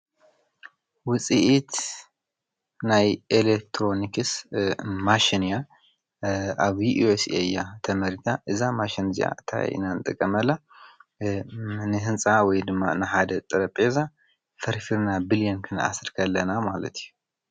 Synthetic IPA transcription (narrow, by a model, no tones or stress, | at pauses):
wʊt͡sʼiʔit̪ | najʔelek̚t̪ʰɾo̞nikɨs | maʃinja | aβjiʔuesejat̪ʰɐmɐɾit̪ʰaʔɨzamaʃinzḭʔa̰t̪ʰa̰ḭnanɨt̪ʼɐkʼːɐmɐlːa | nɨɦɨnsʼawɔjd̪ɨmːa̰nɨħad̪ɐt̪ʼɨɾɐpʼeza | fɐɾfiɾnabiljonkʰɨna̰sɨɾkʰɐlːɐnamalɐ̰t̪ʰiju